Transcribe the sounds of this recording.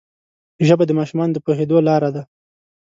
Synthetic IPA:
ʒəbad̪əmɑʃumɑnod̪əpoɦed̪olɑɾad̪a

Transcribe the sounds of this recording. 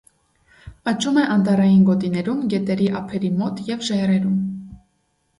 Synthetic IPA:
ɑt͡ʃumɛʔɑnt̪ɑɾɑjinɡɔt̪inɛɾumɡɛt̪ɛɾiʔɑpʰɛɾimɔt̪jɛvʒɛrɛɾum

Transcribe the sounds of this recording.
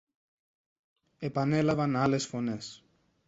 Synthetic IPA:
e̞pɐne̞lɐvɐnɐle̞sfo̞ne̞s

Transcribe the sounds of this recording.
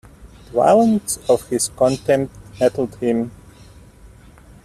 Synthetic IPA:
dwa̰ɪlˠə̃ntsʌv̥hɪz̥kʰɔ̃ntɛ̃mtmɛɾl̩ˠd̚hɪ̃m

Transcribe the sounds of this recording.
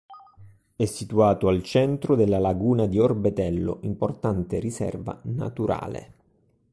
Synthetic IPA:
ɛsːit̪uaːt̪oalt͡ʃɛnt̪ɾʊd̪elːalaɡuːnad̪iorbet̪ɛlːo̰ʔimport̪ant̪erisɛ̰rva̰na̰t̪uɾa̰ːlḛ

